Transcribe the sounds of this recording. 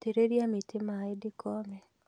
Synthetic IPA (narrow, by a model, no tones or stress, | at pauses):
teɾeɾjamɪtʰɪmaɪdɪkɔmɛ